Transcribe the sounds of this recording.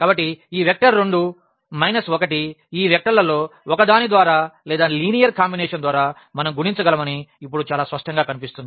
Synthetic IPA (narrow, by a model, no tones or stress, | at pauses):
kaːbɐʈːiiːʋek̚ʈɐɾːeɳɖu | mɐjnɐsɔkɐʈiiːʋɛk̚ʈɐɾlɐlo̞ːɔkɐd̪aːnid̪ʋaːɾaːlɛːd̪aːliːnijɐɾkaːmbinɛːʂɐnd̪ʋaːɾaː | mɐnɐmɡuɽint͡ʃɐɡɐlɐmɐniːp̬ːuɽut͡ʃaːlaːspɐʂʈɐŋɡaːkɐnipist̪und̪i